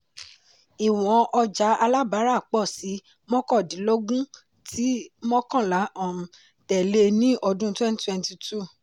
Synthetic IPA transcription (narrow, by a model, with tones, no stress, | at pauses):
i˨w̃ɔ̃˨˦ʔɔ˧d͡ʒa˨˦ʔa˧la˦ba˨˦ɾa˦˨k͡pɔ˦˨si˨˦ | mɔ̃˦kɔ˦˨dĩ˨˦lo˦ɡũ˦ | tʰi˦mɔ̃˦kã˦˨la˨˦ʔɔ̃˦˨ | tɛ˨le˦nĩ˦ʔɔ˧dũ˦twɛ̃˦n˦twɛ̃˦nti˧tʰu˦˨